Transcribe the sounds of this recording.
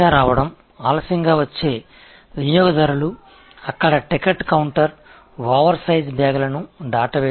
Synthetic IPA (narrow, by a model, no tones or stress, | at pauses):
aːɾaːʋɐɽɐm | aːlɐsɐŋɡaːʋɐt͡ʃːe̞ː | ʋunjɔːɡɐd̪ɐɾulu | ɐkːɐɽɐʈikɐʈkɐwɳʈɐɾ | ʋaːʋɐɾsɐjzbʱaːɡɐlɐnuɖaːʈɐʋeː